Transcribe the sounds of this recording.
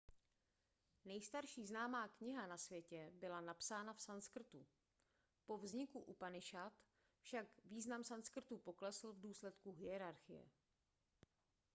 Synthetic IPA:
nɛjst̪aɾʃiːznaːmaːkɲɪɦanasvjɛcɛbɪlanapsaːnafsanskr̩t̪u | po̞vzɲɪkuʔupanɪʃat̪ | fʃakviːznamsanskr̩t̪upo̞klɛsl̩vduːslɛt̪kuɦɪɛɾaɾxɪjɛ̰

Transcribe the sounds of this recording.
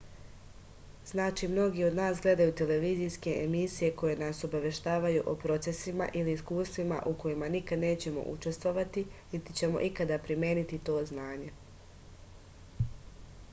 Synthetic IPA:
znaːt͡ʃiːmno̞ɡio̞d̪naːsɡle̞d̪ajuːt̪e̞le̞ʋizijske̞ʔemisije̞ko̞je̞naso̞baʋe̞ʃt̪aːʋajuʔopɾo̞t̪se̞sima̰ʔiliːskuːst̪ʋima̰ʔuko̞jimanikad̪ne̞ːt͡ɕe̞mo̞̰ʔṵt͡ʃe̞st̪ʋo̞ʋat̪init̪i̥t͡ɕe̞mo̞̰ʔikad̪apɾimje̞ːnit̪it̪o̞ːznaːɲe̞

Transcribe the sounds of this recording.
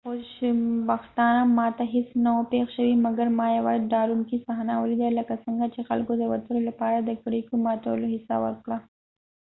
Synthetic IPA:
xoʃbaxt̪ɑnamɑt̪aɦɪsnaopexʃəwimɐɡaɾmɑjawa̰zɖɑɾunkisaɦnawəlid̪alɐkasəŋɡat͡ʃexa̰lkod̪əwɐt̪əlolapɑɾad̪əkɽikomɑt̪aw̰loɦɪsa̰wə̰ɾkɽa

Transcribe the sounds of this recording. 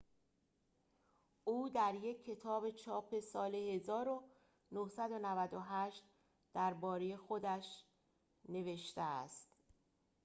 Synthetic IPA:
ʔuːd̪æɾje̞cʰːe̞t̪ʰɒːbe̞t͡ʃʰɒːpʰe̞sɒːle̞he̞zɒːɾo | nohsæd̪o̞nævæd̪oɦæʃt̪ | d̪̥æɾbɒːɾejexo̞d̪æʃ | ne̞ve̞ʃt̪eæ̰st̪

